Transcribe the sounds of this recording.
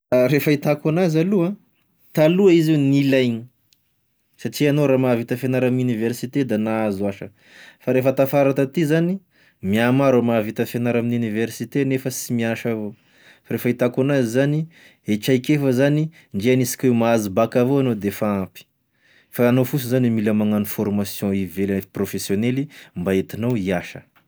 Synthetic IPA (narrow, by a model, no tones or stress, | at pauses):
ɾefait̪akanazaluã | t̪aluaizewnilajɲi | saʈ͡ʂianoɾamavit̪əfenaɾamnuniveɾsit̪ed̪anaazuaʃə̰ | faɾefət̪afaɾat̪at̪izani | miamaɾomavit̪əfenaɾaminuniveɾsit̪enefəsimiaʃavo | faɾefait̪akunazizani | et͡ʃajkefəzani | ɳɖ͡ʐeanisi̥kʲewmaazibakavoanod̪efaãpi̥ | faːnofus̬uzanimiləmaŋanufɔrmasjɔ̃ivelfprofesjonelimbaet̪inawiaʃə̰